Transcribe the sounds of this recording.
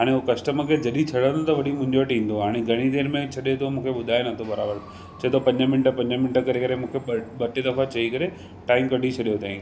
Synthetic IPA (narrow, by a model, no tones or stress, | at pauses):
ɦaːɽ̃eɦukɐsʈəməkʰed͡ʑɐɗit͡ɕʰɐɽ̤ə̃nd̪ot̪ɐʋɐɗimʊ̃ɦɪ̃ɲd͡ʑoʈĩːn̆d̪oɦaːɽ̃eɡʱɐɽ̃id̪eːɾmẽt͡ɕʰɐɗet̪ʰomũːkʰeɓʊd̪ʱaːenɐt̪ʰobɐɾaːbəɾ | t͡ɕɐɦet̪ʰopɐ̃ɲd͡ʑəmɪnʈəpɐ̃ɲd͡ʑəmɪnʈəkɐɾekɐɾemũːkʰeɓɐʈed̪ɐfat͡ɕɐikɐɾe | ʈaːɪmkɐɖʱit͡ɕʰɐɗijot̪aːĩː